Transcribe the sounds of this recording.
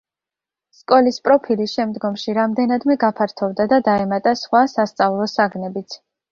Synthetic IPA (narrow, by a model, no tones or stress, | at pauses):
skʼɔlispʼɾɔpʰilisʃɛmd̪ɡɔmʃiɾamd̪ɛnad̪mɛɡapʰaɾt̪ʰɔvd̪ad̪ad̪aɛmat̪ʼasχwasast̪sʼavlˠɔsaɡnɛbit̪sʰ